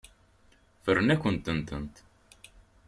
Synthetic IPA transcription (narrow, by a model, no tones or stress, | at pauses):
fərːnækːənt̪ənt̪ənt̪